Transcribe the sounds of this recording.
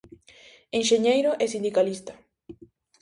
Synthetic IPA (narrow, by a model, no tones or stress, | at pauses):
enʃeɲejɾoʔɛsind̪ikalist̪ḁ